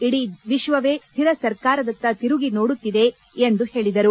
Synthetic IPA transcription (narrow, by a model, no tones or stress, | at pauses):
iɽiʋiʃʋɐʋe̞ːst̪ʰiɾɐsɐɾkaːɾɐd̪ɐt̪ːɐt̪iɾuɡino̞ːɽut̪ːid̪e̞ | end̪uhe̞ːɭid̪ɐɾu